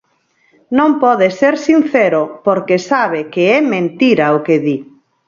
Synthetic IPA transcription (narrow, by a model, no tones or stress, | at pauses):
nõmpɔðeseɾsin̟θɛɾʊpoɾkesaβekeɛmẽnt̪iɾɐʊkeði